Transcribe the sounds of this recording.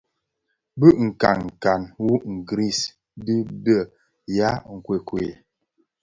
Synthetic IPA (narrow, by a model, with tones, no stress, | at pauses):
bə˦ʔŋ̩˨ka̰˨nŋ̩˨ka˨nwu˦ŋ̩˨ɡɾi˦˨s | dɨ˦bə˦˨ | ja˦ŋ̩˨kwe˨kwe˨